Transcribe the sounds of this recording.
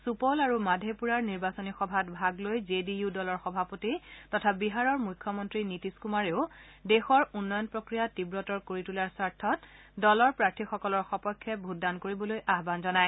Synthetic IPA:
supɔlaɹumadʱepuɹaɹniɹbasonixɔbʱatbʱaɡlojzedijudɔlɔɹxɔbʱapotitɔtʰabiɦaɹɔɹmujkʰːɔmɔntɹinitiskumaɹeʊdexɔɹunːɔjɔnpɹɔkɹijatibɹɔtɔɹkoɹitulaɹsaɹtʰːɔt | dɔlɔɹpɹaɹtʰixɔkɔlɔɹxɔpɔjkʰːɛbʱutdankoɹibɔlojʔaɦbanzɔnaj

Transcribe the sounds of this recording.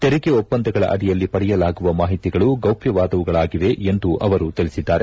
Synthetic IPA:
t̪eɾiɡeopːɐnd̪ɐɡɐɭɐ̰ʔɐ̰ɽijɐlːipɐɽɛjɐlaːɡuʋɐmaːɦit̪iɡɐɭuɡɐwpjɐʋaːd̪ɐʋuɡɐɭaːɡiʋe̞end̪uʔɐʋɐɾut̪ilisid̪ːaːɾe̞

